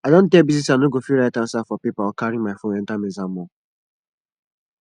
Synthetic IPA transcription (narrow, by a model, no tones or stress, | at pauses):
aɪdõn̩tebiznisanoɡofiɾaɪtãn̩safɔpipaɔkaɾimaɪfoɛ̃n̩tamezam̩ɔ